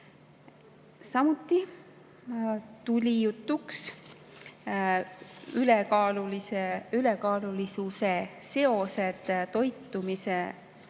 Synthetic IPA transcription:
sɑmut̪ːˑi | t̪ulʲijut̪ˑːuks | ylekɑːluliseylekɑːlulisuse̞se̞o̞se̞d̪̥t̪o̞jt̪ːˑumise

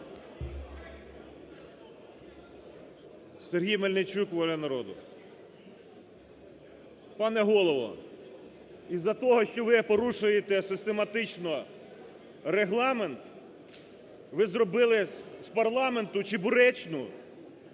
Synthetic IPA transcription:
serɦʲijmɐlʲnɪt͡ʃukʋɔlʲɐnɐɾɔd̪ʊ | pɑnɛɦɔlˠɔʋɔ̰ | izːɐt̪ɔɦɔʃt͡ʃɔʋɪpɔɾuʃʊjet̪ɛsɪst̪emɐt̪ɪt͡ʃnɔ | ɾeɦlˠɑment̪ | ʋɪzrɔbɪlˠɪspɐrlˠɑment̪ʊt͡ʃɪbʊɾɛt͡ʃnʊ

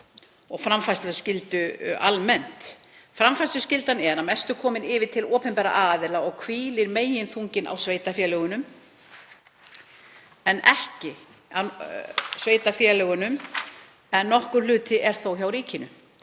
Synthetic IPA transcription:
ɔɣfɾamfajsɛscɪlt̪ʏa̰lmɛn̥t̪ | fɾamfajst̪ʏscɪlt̪anɛɾamɛst̪ʏkʰɔːmɪnɪːvɪt̪ʰɪlɔːpɛnpɛɾa̰ʔaːðɪlaɔɣkʰviːlɪɾmeːjɪnθuɲcɪnʔa̰wsveːjt̪afjɛlœɣʏnʏm | ɛnɛ̰hcɪ | a | sveːjt̪afjɛlœɣʏnʏm | ɛnːɔhkʏɾ̥lʏːt̪ɪʔɛɾ̥θowçawɾiːcɪnʏ

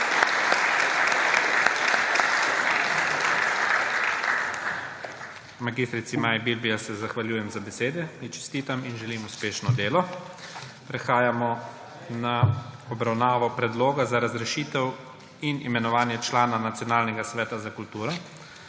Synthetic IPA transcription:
maɡist̪ɾit̪simaːjibilbiasɛzaxʋaljuːjɛmzabɛseːd̪ɛmit͡ʃɛ̥st̪iːt̪aminʒɛlimuspeːʃnɔd̪eːlɔ | pɾɛxaːjamɔ | naɔbɾawnaːʋɔpɾɛd̪loːɡazaɾazɾɛʃiːt̪ɛw | inimɛnɔʋaːnjɛt͡ʃlaːnanat̪sijɔnaːlnɛɡasʋɛːt̪azakult̪uːɾɔ

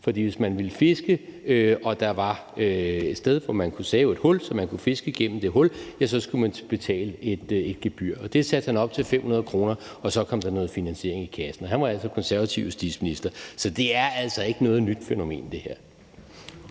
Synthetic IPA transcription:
fɒ̽d̥ḭːʋe̝smænʋiləfe̝sɡ̥əøɒ̽d̥ɑ̈ʋɑ̈øed̥sd̥eð̞ˠʋɒmænkʰusɛːʊe̝d̥hɔ̽lsɒ̽mænkʰufe̝sɡ̥əɡ̥en̰m̩d̥e̝ɦɔ̽ljæsɒ̽sɡ̥umænb̥e̝t͡sʰɛ̰ːləe̝d̥e̝d̥̚ɡ̥e̝b̥yɐ̰ɒ̽d̥e̝sæd̥hænɒ̽b̥̚t͡sʰe̝lfem̰hunɐð̞̩ˠkʰʁo̝ːnɐ | ɒ̽sɒ̽kʰɒ̽m̰d̥ɑ̈nɔ̽ːð̩ˠfinænɕe̝ɐe̝ŋikʰæsn̩ɒ̽ɦænʋɑ̈æl̰sɒ̽kʰɒ̽nsæɐʋæt͡sʰiʊsd̥ið̥ˠsminisd̥ɐsɒ̽d̥e̝æɐæl̰sɒ̽e̝ɡ̥ənɔ̽ːð̩ˠnyd̥feno̝me̝̰ːnd̥e̝heɐ̰

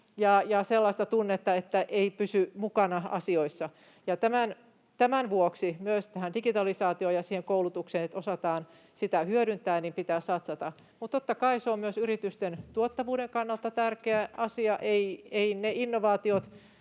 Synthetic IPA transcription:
jɑjɑselːɑist̪ɑt̪unːet̪ːɑet̪ːæʔeipysymukɑnɑɑ̰sioisːɑ | jɑt̪æmæn | t̪æmænʋuoksimyøst̪æhændiɡit̪ɑlisɑːt̪iojɑsiːheŋkoulut̪ukseːnet̪osɑt̪ɑːn | sit̪æhyøɾynt̪æːnimpit̪æːssɑt̪sɑt̪ɑ | mut̪t̪ot̪ːɑkɑiseommyøsyɾit̪yst̪ent̪uot̪ːɑʋuːɾeŋkɑnːɑlt̪ɑt̪ærkeæʔɑsiɑʔeieineʔinːoʋɑːt̪iot̪

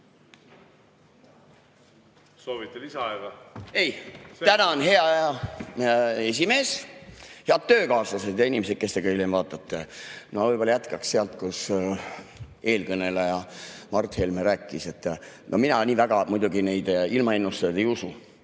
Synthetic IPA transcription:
soːvit̪ːelisɑeɡɑe̞jt̪ænɑonɦe̞ɑɑjɑ | e̞s̬ʲime̞ːs | heɑd̪̥̚t̪ːøːkɑːslɑse̞d̪̥jɑinʲimesed̥̪̚ke̞st̪eɡ̥ɑilemvɑːt̪ːˑɑt̪ˑːenovɤjb̥o̞lɑjæt̪kɑksse̞ɑlt̪kus | e̞ːlkɤne̞lejɑmɑrt̪helmeɾæːkˑːise̞t̪ːˑnʔominɑniːvæɡɑmujd̪uɡine̞jd̪̥ilmɑe̞nːust̪ɑjd̪e̞jusu

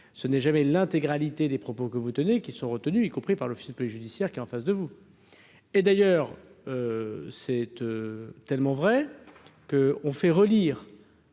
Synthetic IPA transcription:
sənɛʒamɛlɛ̃t̪eɡʁalit̪ed̪epχɔpokəvut̪ənekʲisɔ̃ʁət̪ənyikɔ̃pχipaʁlɔfi̥spɔliʒyd̪isjɛʁkʲiɛɑ̃fasd̪əvu | ed̪ajœːʁøsɛt̪øt̪ɛlmɑ̃vʁɛkəɔ̃fɛʁəliːʁ

